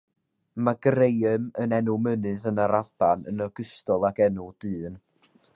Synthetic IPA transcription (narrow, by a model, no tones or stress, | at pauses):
maɡrejɨmənɛnʊmənɨðənaɾalb̥anə̰nəɡəstɔlˠaɡɛnʊdɨːn